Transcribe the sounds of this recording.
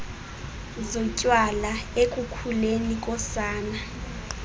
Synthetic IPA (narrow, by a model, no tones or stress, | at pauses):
zɔcʼwalaekʼukʰulenikʼɔsaːna